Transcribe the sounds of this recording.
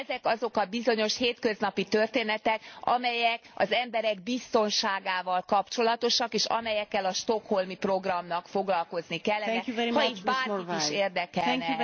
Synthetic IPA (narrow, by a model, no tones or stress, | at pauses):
ɛzɛkɒzo̞kɒbizo̞ɲo̞ʃheːt̪kø̞znɒpit̪ørt̪eːnɛt̪ɛkɒ̰mɛjɛkɒ̰zɛmbɛɾɛɡbist̪o̞nʃaːɡaːvɒlkɒpt͡ʃo̞lɒt̪o̞ʃɒkeːʃɒ̰mɛjɛkːɛlɒʃt̪o̞kho̞lmipro̞ɡrɒmnɒkfo̞ɡlɒlko̞znikɛlːɛhɒit̪baːriiʃeːrd̪ɛkɛnɛ